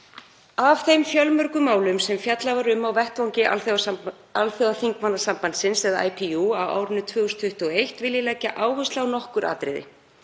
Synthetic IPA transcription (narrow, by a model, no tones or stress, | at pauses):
avθejmfjœlmœɾkʏmaːwlʏmsɛmfjat̪lavaɾʏmːawvɛht̪vawŋcɪ | alθjɔɣðaθiŋkmanːasampant̪sɪnsɛðaʔa̰jpʰiuawa̰ːwɾʏnːʏt̪ʰvʏːɣʏst̪ʰʏht̪ʏɔejht̪vɪljɪlɛcːaʔaːwɦœsaawnɔhkʏɾa̰ːt̪ɾɪ̰ðɪ̰